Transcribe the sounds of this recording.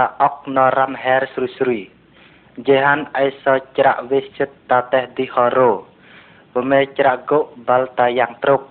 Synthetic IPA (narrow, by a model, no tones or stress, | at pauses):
aʔɔk̚nɔramɦɛːrsrusɾuj | d͡ʒeɦanʔajsɔt͡ʃɾa̰ʔʋehsɨt̪ːat̪ɛhd̪ihɔɾoː | pɔmɛt͡ɕɾaʔɡoʔbalt̪ajaːŋt̪ɾok̚